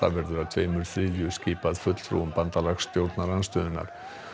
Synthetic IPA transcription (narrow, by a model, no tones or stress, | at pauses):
a̰vɛɾðʏɾaðt̪ʰveːjmʏɾθɾiːljʏsciːpaðfʏt̪l̥fɾṵmpant̪alaɣst̪jowɾt̪naɾanst̪œːðɪnːa̰ɾ̥